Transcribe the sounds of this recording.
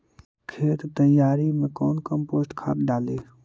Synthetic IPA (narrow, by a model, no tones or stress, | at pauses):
kʰeːt̪t̪əjaːɾimẽkɔːnkəmpoːsʈkʰa̰ːpɖaːleː